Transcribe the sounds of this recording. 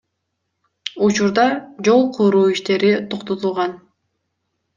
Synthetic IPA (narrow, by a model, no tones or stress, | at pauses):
ut͡ʃuɾd̪ɑd͡ʒo̞lˠqʰuɾuːiʃt̪e̞ɾit̪ʰoqt̪ot̪ulˠʁɑn